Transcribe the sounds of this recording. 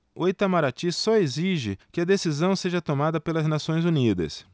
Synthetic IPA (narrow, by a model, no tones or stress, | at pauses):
ʊet̪ɐmaɾat͡ʃisɔeziʒɪkɪɐd̪esizɐ̃w̃seʒɐt̪omad̪ɐpelɐznasõj̃zunid̪ɐ̰s